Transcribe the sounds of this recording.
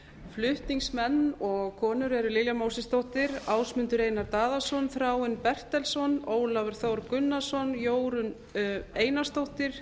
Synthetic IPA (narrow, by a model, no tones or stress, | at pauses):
flʏht̪niŋsmɛnːɔɣkʰɔːnʏɾɛɾʏlɪljamawsɪst̪owht̪ɪɾaːwsmʏnt̪ʏɾeːjnaɾt̪aːðasɔnθfɾaːwɪnpɛr̥t̪ɛlsɔnoːwlavɪɾ̥θowɾkʏnːasɔnjoːwɾʏn | eːjnast̪owht̪ɪɾ̥